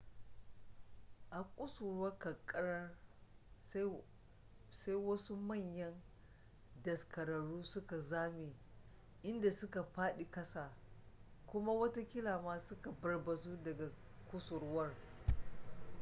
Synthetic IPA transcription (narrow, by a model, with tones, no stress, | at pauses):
ʔa˨kʷʼʊ˦sʊ˨ɾwɐ˦kɐ˨kʼːɐ˦ɾɐ˦ | sa˦jwɐ˦su˦mɐ˦˨ɲjɐ˦n | dɐ˨skɐ˨ɾɐ˨ɽuː˦sʊ˦ka˨zaː˦mi˨ | ʔɪ˦nda˨sʊ˦ka˨ɸaː˦ɗi˨kɐ˦saː˨ | kʷʊ˦ma˦wɐ˦ta˦kʲɪ˦laː˨maː˦sʊ˦ka˨bɐ˨rbɐ˨zuː˦dɐ˨ɡa˨ | kʷʼʊ˦sʊ˨ɾwɐ˦r